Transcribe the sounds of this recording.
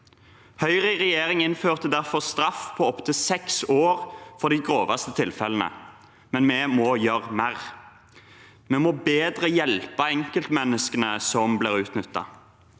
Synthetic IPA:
hœʏʁɪʁɛjeːʁɪŋɪnføːʁt̪əd̪æʁfɔʁst̪ʁɑfpʰɔɔpt̪ʰɪsɛksoːʁfɔʁd̪iɡʁoːʋɑst̪ət̪ʰɪlfɛlənə̰ | mɛnmɛːmɔːjøʁmæʁ | mɛmoːbeːd̪ʁəjɛlpɑɛŋkəlt̪mɛnəskənəsɔmblɪːʁʉːt̪nʏt̪ːɑ̰

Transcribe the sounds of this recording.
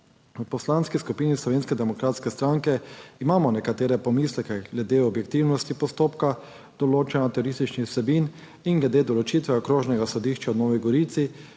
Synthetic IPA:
wpɔslanskiskupiːnislɔʋeːnskɛd̪ɛmɔkɾaːt̪skɛst̪ɾaŋkɛimaːmɔnɛkat̪eːɾɛpɔmiːslɛkɛɡlɛd̪eːɔbjɛkt̪iwnɔst̪ipɔst̪oːpka | d̪̥ɔloːt͡ʃɛnat̪ɛɾoɾist̪it͡ʃnixsɛbin | inɡlɛd̪eːd̪ɔlɔt͡ʃit̪ʋɛɔkɾoːʒnɛɡasɔd̪iʃt͡ʃaɔd̪nɔːʋiɡɔɾiːt̪si

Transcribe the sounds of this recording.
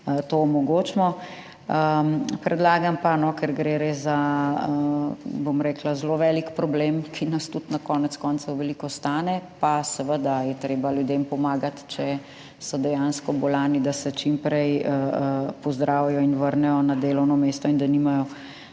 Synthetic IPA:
t̪omɔɡoːt͡ʃmɔ | əpɾɛd̪laːɡampanɔkɛɾɡɾeɾeza | bomɾɛːklazloʋɛlikpɾɔblemkʰinɐst̪ut̪nakɔːnɛt̪skɔnt̪sɔwʋɛlikɔst̪aːnɛpasɛʋəd̪ajɛt̪ɾeːbaljud̪empɔmaːɡat̪t͡ʃɛ | sɔd̪ɛjanskɔbɔlaːnid̪asɛt͡ʃimpɾɛjəpɔzd̪ɾaːwijɔinʋəɾnɛjɔnad̪eːlɔwnɔmeːst̪ɔind̪animajɔ

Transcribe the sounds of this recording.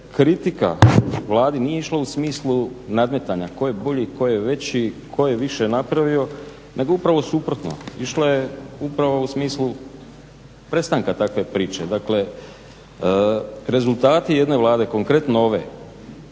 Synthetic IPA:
kɾit̪ika̰ʋlˠaːd̪inijeiʃlˠausmiːslˠunad̪me̞t̪aɲako̞jebo̞ʎiko̞jjeʋe̞t͡ɕikʰo̞jeʋiʃe̞napɾaʋio̞ | nʔe̞ɡoupɾaʋo̞suːpɾo̞t̪no̞̰iʃlaje̞upɾaʋo̞usmiːslu | pɾe̞st̪aŋkat̪akʋe̞pɾiːt͡ʃe̞d̪akle̞ | ɾe̞zult̪aːt̪ije̞d̪ne̞ʋlˠaːd̪e̞ko̞ŋkɾe̞t̪nooʋe̞̰

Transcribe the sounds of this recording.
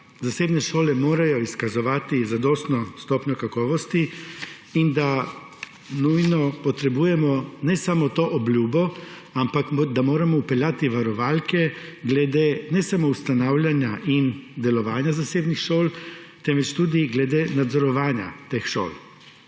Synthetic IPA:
zaseːbnɛʃoːlɛmoːɾajɔiskazɔʋaːt̪izad̪ɔːst̪nɔst̪ɔːpɲɔkakɔːʋɔst̪i | ind̪a | nujnɔpɔt̪ɾɛbuːjɛmɔnɛsamɔt̪oːʔɔblʲjuːbɔ | ampakd̪amoːɾamɔupɛljaːt̪iʋaɾɔʋalkɛɡlɛd̪enɛsamoust̪anaːwlʲjanjaʔind̪ɛlɔʋaːnjazaseːbnixʃoːl | t̪ɛnʋɛt͡ʃt̪ud̪iɡlɛd̪enad̪zɔɾɔʋaːnja̰t̪eːxʃo̰ːl

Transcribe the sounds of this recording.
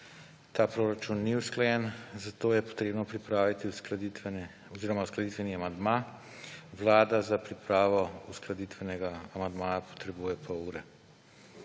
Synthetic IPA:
t̪aːpɾoːɾat͡ʃunːiwsklajɛnzat̪oːjɛpɔ̥t̪ɾeːbnɔpɾipɾaːʋit̪iwskld̪iɛ | ɔziːɾɔmawsklad̪it̪ʋɛniamand̪ma | ʋlaːd̪azapɾipɾaːʋɔusklad̪it̪ʋɛnɛɡaːmand̪maːjapɔ̥t̪ɾɛbuːjɛpʰɔuːɾɛ

